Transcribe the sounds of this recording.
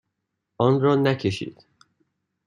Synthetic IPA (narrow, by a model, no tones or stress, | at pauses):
ʔɒnrɒːnæcʰeʃḭːd̪̥